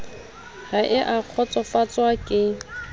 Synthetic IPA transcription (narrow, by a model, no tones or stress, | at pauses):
raʔɪʔaq͡χʰɔt͡sʼɔfat͡sʼwakʼɪ